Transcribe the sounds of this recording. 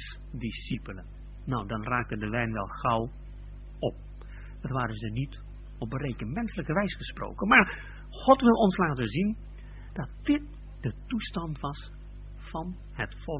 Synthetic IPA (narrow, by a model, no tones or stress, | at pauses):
disipələnː | ɔwdɑnraːk̚təndəʋɛjnʋɛlˠχʌw | ɔp̚ | dɑtʋaːɾənzənit | ɔp̚ərejkəntmɛnsələkəʋɛjsəχəspro̰wkənmaːɹ | χɔtʋɪlˠɔnslaːtənzin | d̥ɑt̚d̥ɪt̚ | d̥ətustɑntʋɑs | fɑn | ɦətfɔ